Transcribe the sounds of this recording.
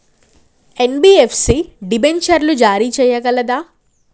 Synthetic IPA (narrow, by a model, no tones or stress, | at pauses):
e̞nbiːepʰsiɖibent͡ʃɐɾlud͡ʒaːɾiːt͡ʃɛːjɐɡɐlɐd̪aː